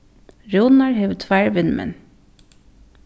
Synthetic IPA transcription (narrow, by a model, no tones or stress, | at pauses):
ɹuːnɑɹheʋt̪ʰʋæːɹʋɪnmʔɛ̰n